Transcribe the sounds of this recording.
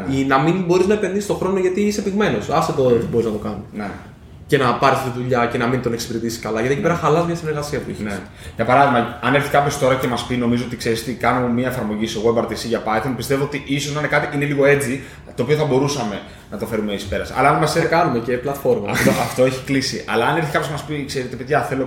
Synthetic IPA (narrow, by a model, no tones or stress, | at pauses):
inɐminbo̞ɾiznɐepe̞nðisist̪oxɾo̞noʝɐt̪iise̞piɣme̞no̞sɐst̪ot̪ot̪ibo̞ɾiznɐt̪o̞kɐnisne | ce̞nɐpɐɾisɐt̪iðuʎɐce̞nɐmint̪o̞neksi̥piɾet̪isiskɐlɐjʝɐiecipe̞ɾɐxɐlɐzmɲɐsineɾɣɐsiɐpuḭçe | ʝɐpɐɾɐðiɣmɐɐne̞ɾθi̥kɐpço̞st̪o̞ɾɐce̞mɐspino̞mizoot̪ikse̞ɾist̪ikɐno̞miɐefɐɾmo̞ʝisoɣoebɐɾt̪isiʝɐpɐjθonpist̪e̞voot̪iʔisozninekɐt̪iʔine̞liɣo̞e̞t͡si | t̪oːpio̞θɐbo̞ɾusɐme̞ | nɐt̪o̞fe̞ɾumeisi̥pe̞ɾɐsɐ̰lɐɐnmɐsekɐnumeceplɐt̪fo̞ɾmɐɐ̰t̪oɐft̪oeçi̥klisiɐ̰lɐːne̞ɾθikɐpjoçmɐspikseɾit̪epeðʝɐθe̞lo̞